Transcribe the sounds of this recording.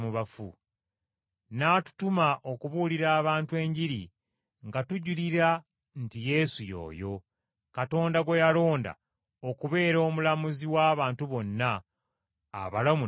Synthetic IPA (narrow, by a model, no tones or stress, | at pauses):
muβafṵ | naːtu̥tumaʔo̞kuβuːliɾaːβaːntwe̞ːɲɟiɾi | ŋɡatuɟuliɾa | ntije̞sujo̞̰ːjo̞ | kato̞ːndaɡwe̞jalo̞ːnda̰ | o̞kuβe̞ːɾo̞ːmulamuziwaːβaːntuβo̞nːa̰ː | βalamu